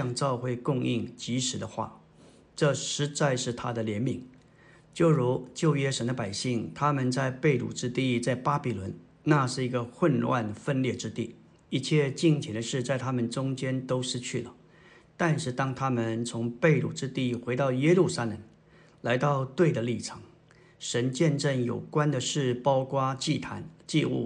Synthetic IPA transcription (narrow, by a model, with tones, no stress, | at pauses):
ɑ˥˧ŋʈ͡ʂɑ˥˧ʊxwe˥˧ɪkʊ˥˧ŋi˥˩ŋt͡ɕi˧˥ʂɻ̩˨˩d̪ə˦xwa̰˥˩ | ʈ͡ʂɤ˥˩ʂɻ̩˧˥t͡sa˥˧ɪʂɻ̩˥˩t̪ʰa˥d̪ə˨ljɛ˧˥nmi˨˩˦ŋ | t͡ɕjo˥˩ʊɻu˧˥t͡ɕjo˥˩ʊɥɛ˥ʂə˧˥nd̪ə˧pa˨˩ɪɕi˥˩ŋt̪ʰa˥mə˨nt͡sa˥˧ɪpe˥˩ɪlṵ˨˩ʈ͡ʂɻ̩˥t̪i˥˧t͡sa˥˩ɪpa˥pi˨˩lwə˧˥n | na˥˧ʂɻ̩˥˩i˧˥ɡə˧xwə˥˧nlwa̰˥˩nəfə˥˧nljɛ˥˩ʈ͡ʂɻ̩˥t̪i˥˩ | i˥˧t͡ɕʰjɛ˥˧t͡ɕi˥˩ŋt͡ɕʰjɛ˧˥nd̪ə˧ʂɻ̩˥˧t͡sa˥˩ɪt̪ʰa˥mə˨nʈ͡ʂʊ˥ŋt͡ɕjɛ˥nt̪o˥ʊʂɻ̩˥t͡ɕʰy˥˩lə˩ | t̪a˥˧nʂɻ̩˥˩t̪ɑ˥ŋt̪ʰa˥mə˨nt͡sʰʊ˧˥ŋpe˥˩˧ɪlṵ˨˩ʈ͡ʂɻ̩˥t̪i˥˩xwe˧˥ɪt̪ɑ˥˩ʊjɛ˥lu˥˩sa˥lə˧˩˦ŋ | la˧˥ɪt̪ɑ˥˧ʊt̪we˥˩ɪd̪ə˩li˥˩ʈ͡ʂʰɑ˨˧˥ŋ | ʂə˧˥nt͡ɕjɛ˥˧nʈ͡ʂə˥˩ŋjo˨˩ʊkwa˥nd̪ə˨ʂɻ̩˥˩pɑ˥ʊkwa˥t͡ɕi˥˩t̪ʰa̰˧˥nt͡ɕi˥˧ṵ˥˩